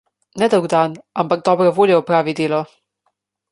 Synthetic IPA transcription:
nɛd̪əwɡd̪aːnampaɡ̚d̪ɔbɾɔvoːljɛupɾaːʋid̪eːlɔ

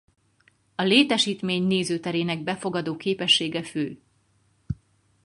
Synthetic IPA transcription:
ɒleːt̪ɛʃiːt̪meːɲneːzøːt̪ɛɾeːnɛɡ̚bɛfo̞ɡɒd̪oːkeːpɛʃːeːɡɛføː

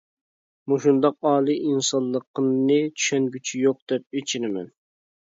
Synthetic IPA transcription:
muʃund̪ɑqɑːlˠɨʔinsɑnlˠːəqnɨt͡ʃ̪ʰy̥ʃɛnɡʲyt͡ʃʰijoq̚d̪̥ɛp̚et͡ʃʰinɪmɛ̰n

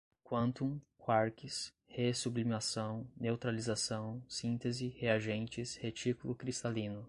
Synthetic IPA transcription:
kwɐ̃nt̪ũkʰwaɾkɪs | hesublimasɐ̃w̃newt̪ɾalizasɐ̃w̃sĩnt̪ezɪheaʒẽnt͡ʃɪshet͡ʃikulʊkɾist̪alĩnʊ

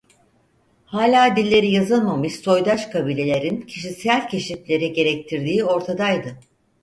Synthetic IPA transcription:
haːlʲaːd̪ilʲːe̞ɾijazɯlˠmamɯʃso̞jd̪aʃkʰabilʲe̞lʲe̞ɾincʰiʃisælʲcʰe̞ʃiflʲe̞ɾiɟe̞ɾɛc̚t̪ʰiɾd̪iːo̞ɾt̪ʰad̪ajd̪ɯ

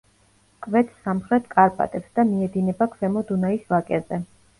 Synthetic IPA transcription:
kʼvɛt̪ʰsamχɾɛt̪ʰkʼaɾpʼa̰t̪ʼɛpsd̪̥amiɛd̪inɛbakʰvɛmɔd̪unaisvakʼɛzɛ

